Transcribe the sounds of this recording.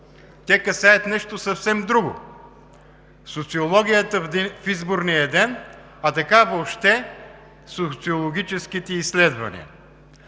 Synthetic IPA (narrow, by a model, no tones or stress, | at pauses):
t̪ʲɛkɐsajɐt̪nɛʃt̪osɐfsɛmd̪ɾuɡʊ̰ | sot̪siolˠɔɡ̟ʲijət̪əfizboɾnijəd̪ɛn | ɐt̪ɐkavopʃt̪ɛ | sot̪siolˠoɡ̟ʲit͡ʃɛskit̪ɛislɛd̪vɐ̰nḭə̰